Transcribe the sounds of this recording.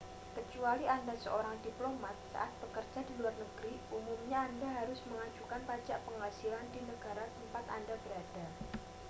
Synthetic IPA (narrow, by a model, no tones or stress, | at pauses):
kət͡ʃualiʔandasə̰oɾaŋdiplomat̪̚sa̰ʔat̪̚b̥əkərd͡ʒadiluarnəɡ̥ɾiʔumumɲaːndaɦaɾʊsməŋad͡ʒukanpad͡ʒaʔpəŋasilandinəɡ̥aɾat̪əmpat̪a̰ndabəɾad̥a